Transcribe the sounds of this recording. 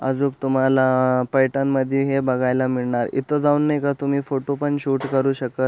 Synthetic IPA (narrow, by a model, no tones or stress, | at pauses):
ə̰d͡zuːkt̪um̤alapajʈənməd̪ʱjeɦebəɡʱajlamiɭɳaɾḭt̪od͡zaunːajkat̪um̤iːfoʈopəɳɕuːʈkəɾuːɕəkət̪